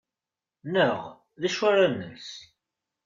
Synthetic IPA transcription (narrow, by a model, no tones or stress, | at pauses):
nəʁ | ðæʃwæɾanːə̰ns